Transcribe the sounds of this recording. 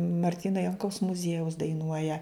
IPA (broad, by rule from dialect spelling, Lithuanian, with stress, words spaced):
mɐrʲˈtʲiːnoː ˈjɛŋkɐʊs mʊˈzʲiɛjɛʊs dɐɪˈnuɔjɛ